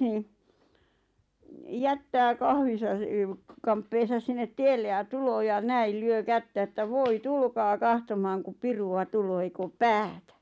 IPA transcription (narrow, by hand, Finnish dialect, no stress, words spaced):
niːn̆ jætːæː kɑhʋisɑ e sə kɑmpːeːsɑs sinːet tielːe jɑ tuloː jɑ næil lyø kætːæ ĕtːæ ʋoi tulkɑː kɑhtomɑːŋ kup piruɑ tuloː eik oːp pæːtæ